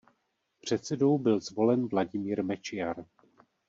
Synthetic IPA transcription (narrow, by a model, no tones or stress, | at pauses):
pr̝̥ɛt̪sɛdo̞wbɪlzvo̞lɛnvlaɟɪmiːɾmɛt͡ʃɪjaɾ